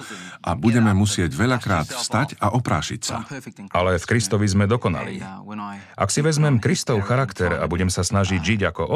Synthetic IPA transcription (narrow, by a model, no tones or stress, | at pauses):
ʔabuɟɛmɛmusɪɛɟʋɛʎakɾaːt̪fst̪acaʔɔpɾaːʃicsa̰alɛfkɾist̪ɔʋizmɛd̪ɔkɔna̰lḭː | ʔa̰ksiʋɛzmɛmkɾist̪ɔʊxaɾakt̪ɛɾa̰buɟɛmsasnaʒiɟʒiɟakɔʔɔ